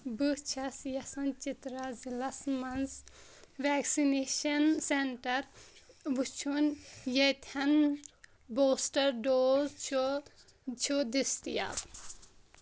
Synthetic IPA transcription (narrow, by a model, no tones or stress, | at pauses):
but͡ʃʰɐsjɐsɐnt͡ʃit̪ɾazilɐsmɐns | ʋɛːksineʃɐnseɳʈɐɾʋut͡ʃʰunjɐjt̪ʰɐn | boːsʈɐɾɖoːzt͡ʃʰo | t͡ʃʰud̪ist̪ija̰ːb